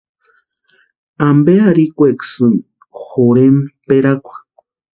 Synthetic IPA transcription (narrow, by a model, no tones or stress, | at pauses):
ambeaɾikʷeksɨm | xoɾempeɾakʷḁ